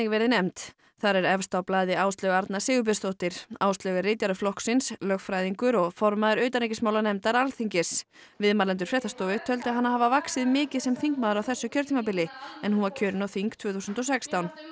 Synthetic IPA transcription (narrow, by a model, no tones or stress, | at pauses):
ɪkvɛːɾɪnɛmt̪ | θaɾɛɾɛv̥st̪awplaːðɪawst̪lœɣaɾt̪nasɪːɣʏp̬ɪ̥st̪oht̪ɪɾ̥awst̪lœɣɪrɪjt̪jaɾʏflɔhksɪnslœxfɾaːjðiŋkʏɾɔfɔɾmaðʏɾœːɥt̪anɾejc̬ɪsmaːwlanɛmt̪aɾalθiɲcɪs | vɪðmalɛnt̪ʏɾ̥fɾɛht̪ast̪ɔːvɪt̪ʰœlt̪ʏaɦanːaɦaːvavaksɪðmɪːcɪðsɛmθiŋk̚maːðʏɾawθɛsːʏcʰœɾt̪ʰiŋmapɪlːɪɛnhunvaɾcʰœːɾɪnawθiŋkt̪ʰvʏːθusʏnt̪ɔsɛkst̪awn